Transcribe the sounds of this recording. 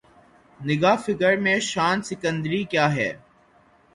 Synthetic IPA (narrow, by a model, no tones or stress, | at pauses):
nɪɡaːfɪkəɾmẽʃaːnsɪkə̃nd̪ɾikjaːɦɛ̰ː